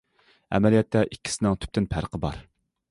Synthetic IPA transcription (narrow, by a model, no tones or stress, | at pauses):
ɛ̰mɛlijɛt̪ʰːɛʔikʲːi̥sɪnɪŋt̪ʰy̥p̚t̪ɪnpʰæɾqʰəbɑ̰ɾ